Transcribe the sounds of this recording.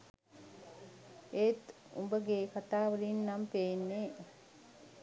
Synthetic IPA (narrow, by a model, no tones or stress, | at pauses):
eːt̪ | ṵmbəɡekat̪aːʋəɾinːampeːnːe